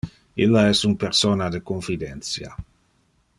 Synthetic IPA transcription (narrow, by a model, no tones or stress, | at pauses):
ilːaɛsunpeɾsoːnad̪ekonfid̪ɛnt̪t͡ssja̰